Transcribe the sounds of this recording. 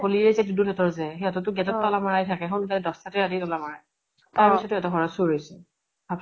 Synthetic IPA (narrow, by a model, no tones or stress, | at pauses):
koliɛzɛdudunɛtɔɹzɛɦɛɔtɔtʊɡɛtɔtːɔlamaɹajtʰakɛxʰɔnɡalɛdɔstatiaditɔlamaɹaj | taisɔtːujɔtɔɦɔɹasuɹojsɛ | bap